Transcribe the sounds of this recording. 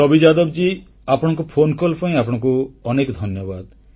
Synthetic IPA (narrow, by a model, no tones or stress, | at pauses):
ɔbʱid͡ʒad̪ɔbd͡ʒi | apɔɽ̃ɔ̃ŋk̬upʰonkɔlpɔĩapɔɽ̃ɔ̃ŋkuɔnekd̪ʱɔnjɔbad̪